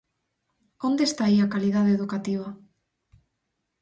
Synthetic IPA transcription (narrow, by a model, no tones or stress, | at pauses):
ond̪est̪aiakaliðaðeeðukat̪iβ̞a